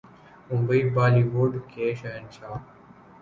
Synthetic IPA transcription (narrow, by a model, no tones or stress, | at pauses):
ʊ̃mbəiːbaːliːʋoːɖkʰeːʃəənt͡ʃʰaː